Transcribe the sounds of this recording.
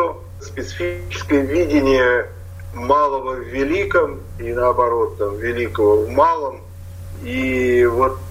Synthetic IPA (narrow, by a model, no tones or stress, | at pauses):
o | spʲɪt̪sɨfʲit͡ɕɪ̥skəjəvʲidʲɪnʲɪjə | malˠəvəvʲɪlʲikəm | inəɐbɐɾo̞t̪ːamvʲɪlʲikəvəvmalˠəm | ivo